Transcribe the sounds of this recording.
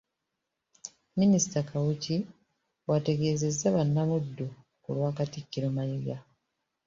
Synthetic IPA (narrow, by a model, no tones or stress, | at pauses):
minisi̥takʰawuci | wate̞ɡe̞ːze̞zːaβanːamudːu | kṵlwaːkatikːiɾomajiɡa